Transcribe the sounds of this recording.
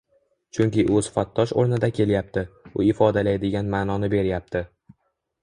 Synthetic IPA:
t͡ʃʰʊŋkʲɪʔʊsʊ̥fat̪ːɒʃo̰ɾnɪd̪akʲʰe̞ljap̚t̪ʰɪʊɪfɒd̪alajd̪ɪɡʲanmaːnɒnɪbe̞ɾjap̚t̪ʰɪ

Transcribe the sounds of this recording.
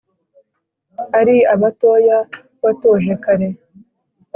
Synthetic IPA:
aɾiaβatoːja | βatoːʒekaɾe

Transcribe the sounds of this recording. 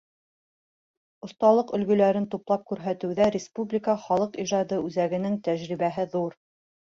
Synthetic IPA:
ŏst̪ɑlˠɤqɵ̆lɡɵ̆læɾɘnt̪uplˠɑp̚kʉɾɦæt̪ɘ̆wðæɾʲɪspublʲɪkəχɑlˠɤqiʒɑd̪ɤʉzæɡɘ̆nɘŋt̪æʑɾiβæɦɘðuɾ

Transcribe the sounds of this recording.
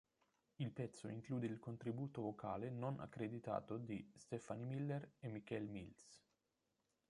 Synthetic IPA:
ilpɛt̪sːoiŋkluːd̪eilkont̪ɾibuːt̪ovokʰaːlenonʔa̰kːɾed̪it̪a̰ːt̪od̪ist̪ɛfanimilːeremːik̟ɛlmils

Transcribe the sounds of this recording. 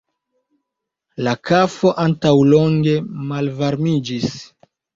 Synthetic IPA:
lakafo̞ʔantawlo̞ŋɡe̞malvaɾmid͡ʒis

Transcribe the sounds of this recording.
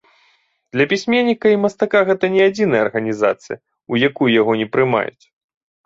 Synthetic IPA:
d̪̥lʲɐpʲisʲmʲenʲːikɐimɐst̪akaɣɛt̪ɐnʲɛad͡zʲinɐjɐɐrɣɐnʲiza̰t̪sɨjɐ | ujakujjaɣɔnʲɛpɾɨma̰jṵt͡sʲ

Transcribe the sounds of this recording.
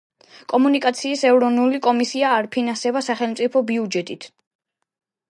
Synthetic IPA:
kʼɔmunikʼat̪sʰiːsɛvɾɔnulikʼɔmisiaːɾpʰinansɛbasaχɛlˠmt̪sʼipʰɔbiud͡ʒɛt̪ʼit̪ʰ

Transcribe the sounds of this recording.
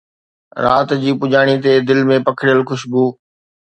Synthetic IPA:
ɾa̰ːt̪d͡ʑiːpʊd͡ʑaːɽ̃it̪̬ed̪ɪlmẽpɐkʰɽɪjəlxʊʃbuː

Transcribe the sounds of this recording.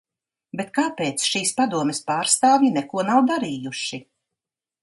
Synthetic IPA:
bet̪kaːpeːt̪sʃiːspad̪uɔmɛspaːɾst̪aːvjinɛkuɔnawd̪aɾiːjuʃi

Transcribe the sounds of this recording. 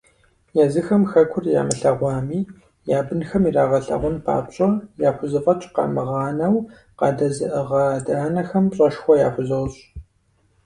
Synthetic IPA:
jazɨxɐmxɐkʷʰʊrja̰ːmɨɬɐʁʷɑːmiː | jaːbɨnxɐmiraːʁɐɬɐ̰ʁʷʊnpʰa̰ːɕʼɐjaːħʷʊzɨfʼɐt͡ʃʼqɑ̰ːmɨʁɑːnɐw | qɑːdɐzɨʔəʁɐdaːnɐxɐmpɕʼɐʃxʷɔjaːħʷʊzɐwɕʼ

